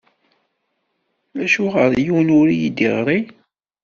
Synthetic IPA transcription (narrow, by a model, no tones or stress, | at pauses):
æʃuʁəɾˤjuwnʊɾijid̪iʁɾˤi